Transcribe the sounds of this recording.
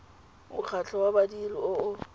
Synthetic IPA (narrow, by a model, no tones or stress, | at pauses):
ʊk͡xʰat͡ɬʰʼɔwabadiriʊʊ